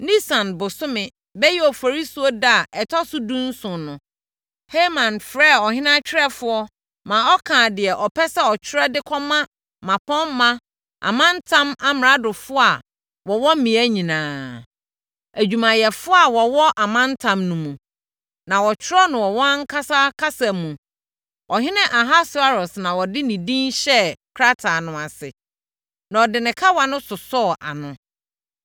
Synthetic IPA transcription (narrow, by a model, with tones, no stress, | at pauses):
nĩ˦sã˨nbʊ˨sʊ˦mɪ̃˨ | bɛ˦jɛ˦ɔ˨fɔ˨ɾi˦su˦ɔ˦da˦˨ʔɛ˨tʰɔ˦sʊ˦dũ˦n̩˦sʊ̃˨nʊ̃˨ | he˦mã˨nfɾɛ˦˨ɔ˨hɪ̃˦nã˦t͡ɕᶣʰɪ˦ɾɛ˦fʊ˦ɔ˦ | mã˨ɔ˦kʰã˨dɪ˨ɛ˨ʔɔ˨pʰɛ˦sɛ˦ɔ˨t͡ɕʰɪ˦ɾɛ˦dɪ˦kʰɔ˦mã˦ | mã˨pʰɔ̃˦mːã˦ | a̰˨mã˦n˦tʰã˦ma˦mɪ˨ɾa˦dʊ˨fʊ˦a˨ | wɔ˨wɔ̃˦mĩ˨æ˦ɲĩ˨nãː˨ | æ˨d͡ʑᶣu˨mã˨jɛ˨fʊ˦a˨wɔ˨wɔ˦ʔa˨mã˦n˦tʰã˨mnũ˨mũ˨ | nã˨wɔ˨t͡ɕʰɪ˦ɾɔ˦nʊ̃˨wɔ˨wɔ̃˦ŋ̩˦kʰa˦sa˦kʰa˦sa˨mũ˨ | wʔɔ˨ɦɪ̃˦nɪ̃˦ʔa˨ɦa˦sʊ˦a˦ɾɔ˨snã˨wɔ˨dɪ˦nĩ˨dĩ˦nɕɛ˦kʰɾa˦tʰa˨nʊ̃˨a˨sɪ̰˨ | nã˨ɔ˨dɪ˨nɪ̃˨kʰa˦wa˨nʊ̃˦sʊ˨sɔ˦˨ʔa̰˨nʊ̃˦